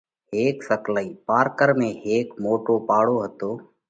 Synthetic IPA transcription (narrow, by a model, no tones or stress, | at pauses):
ɦeːksəklaːiːpaːɾkəɾmẽːɦeːkmoːʈoːpaːɽoːɦət̪oː